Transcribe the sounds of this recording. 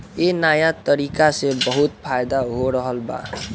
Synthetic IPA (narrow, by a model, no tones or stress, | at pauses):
enajat̪ʌɾikasebʌɦut̪̚pʰajd̪aɦoɾʌɦʌlba̰